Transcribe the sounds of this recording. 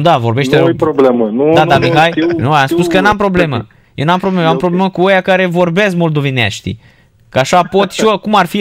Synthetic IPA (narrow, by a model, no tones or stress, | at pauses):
d̪avo̞rbe̞ʃt̪eooblemənuad̪amiɦajinuamspuskənampɾo̞ble̞mə̰ | jewnampɾoblemjoampɾobleməkuojakaɾe̞vo̞rbeskmo̞ld̪o̞venea̰ʃt̪ḭ | kəaʃapo̞t̪ʲʃiokumarfi